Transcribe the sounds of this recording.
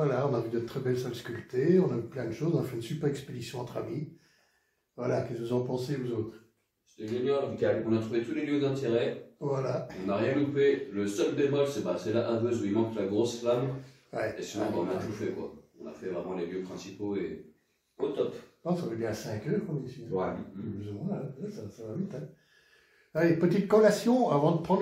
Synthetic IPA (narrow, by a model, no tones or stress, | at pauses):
vwalaɔ̃navyd̪ɛt̪ːχɛbɛlsalskʲylt̪eɔ̃navyplɛ̃d̪əʃozɔ̃nafɛynsypɛʁɛksped̪isjɔ̃ɑ̃t̪χami | vwalakɛskəuzɑ̃pɑ̃seozot̪χ | se̥t̪ɛʒenjɔʁɡalɔ̃nat̪χuvet̪uleljød̪ɛ̃t̪eʁɛvwalaɔ̃naʁjɛ̃lupeləsœld̪ebɔlsɛbasɛlaʔavøzuimɑ̃klaɡʁosflam | wɛesuvɑ̃baɔ̃nat̪ufɛkwa̰ɔ̃na̰fɛvʁɛmɑ̃leljøpχɛ̃sipoe | ot̪ɔpɔ̃savɛbjɛ̃asɛ̃kʲœʁkɔ̃misiwɛplyzumwɛ̃wɛsasavavit̪ɛ̃ | alepət̪it̪̚kɔlasjɔ̃avɑ̃d̪əpχɑ̃d̪